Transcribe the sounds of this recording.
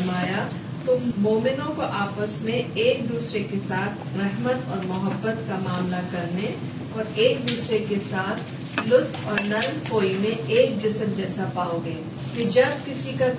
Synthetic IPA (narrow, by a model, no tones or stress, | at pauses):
maːja | t̪ʊmːoːmɪnõkoʔaːpəsmẽeːk̚d̪uːsɾekesaːt̪ʰɾɛɦmət̪ɔːɾmʊɦəbːət̪kamaːmlakɐɾne | ɔːɾeːk̚d̪uːsɾekesaːt̪ʰ | lʊt̪ʰɔːɾnɐnkoːimẽeːk̚d͡ʒɪsəmd͡ʒɛːsapaːoɡeː | kid͡ʒɐb̚kɪsika